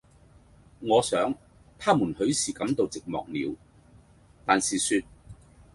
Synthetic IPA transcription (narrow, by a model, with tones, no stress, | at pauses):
ŋɔː˨˧sœː˨˥ŋ | t̪ʰaː˥muː˨˩nhɵ˨˥ɥsiː˨˩kɐ˨˥mt̪o˨˧wt͡sɪ˨k̚mɔ̰ː˨k̚nḭː˨˧w | t̪aː˨nsiː˨syː˧t̚